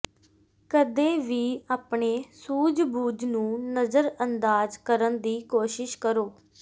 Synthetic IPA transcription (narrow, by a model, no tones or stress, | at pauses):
kəd̪eːʋiːaːpɳeːsuːd͡ʒbuːd͡ʒnũːnəzəɾənd̪aːzkəɾənd̪iːkoːʃɪʃkəɾoː